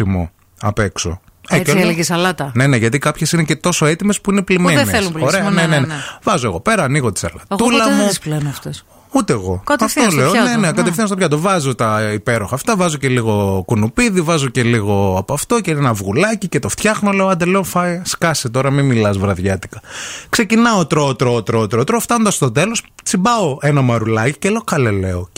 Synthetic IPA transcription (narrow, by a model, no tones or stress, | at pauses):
imṵ | ɐ̰pekso̞̰ | eelɣisɐlɐt̪ɐne̞ne̞ʝɐt̪ikɐpçe̞sinecet̪o̞so̞e̞t̪ime̞spuineplimeðenisθelumloɾeɐnenenenvɐzo̞e̞ɣo̞pe̞ɾɐːniɣot̪i̥sɐ̰lɐ̰t̪ulɐmusplenɐft̪os | ut̪eːɣo̞kɐt̪ɐft̪osleonenekɐt̪efθinost̪opçɐt̪̬ovɐzot̪ɐipe̞ɾo̞xɐːft̪ɐvɐzo̞ce̞liɣo̞kunupiðivɐzo̞ce̞liɣo̞ɐpɐft̪o̞ceenɐvɣulɐcicet̪oft̪çɐxno̞le̞oɐnd̪ele̞onfɐjskɐsit̪o̞ɾɐmimilɐzvɾɐðʝɐt̪i̥kɐkse̞cinɐot̪ɾot̪ɾoːt̪ɾoːt̪ɾot̪ɾoft̪ɐnond̪ɐst̪o̞t̪e̞lo̞st͡sibɐoenɐmɐɾulɐci̥cele̞oxɐlele̞o